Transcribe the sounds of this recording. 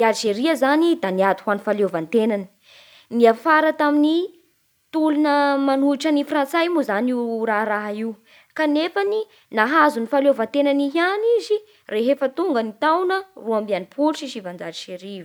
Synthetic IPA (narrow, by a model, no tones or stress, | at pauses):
aɾʃeɾiəzanid̪aniad̪i̥hanifalovant̪enanə̥ | niafaɾət̪amini | t̪ulunəmanuiʈ͡ʂənifrant͡sajmuzaniuɾaɦɾaɦaiw | kanefani | naɦazunifaljovant̪enaniɦianizi | reɦefət̪uŋɡənit̪awnəruambianipʰult͡ʃiʃivand͡zaɾʃeɾiv